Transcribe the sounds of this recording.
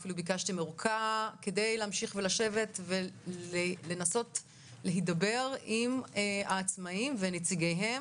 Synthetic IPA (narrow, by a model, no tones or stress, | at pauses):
filubikaʃt̪imeʁukʰake̞de̞jleːmʃiχvelaʃe̞ve̞tveele̞naso̞t | leɦidabe̞ʁimaːt͡smaimvenet͡siɡejɦe̞